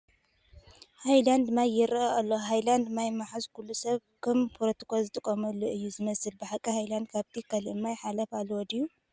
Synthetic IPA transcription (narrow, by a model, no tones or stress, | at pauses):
hajland̪majːɪɾɐalːoɦajland̪majmaħazkʰulːusɐβ | kʰɨmpʰoɾot̪ʰi̥kʰozɨt̪ʼɨkʼɐmɐlːoʔɨjːuzɨmɐsɨlbɨħakʼɐhajland̪̚kʰaβt̪ʰikʰɐliɨmːajħalɐfalwɔd̪ijːu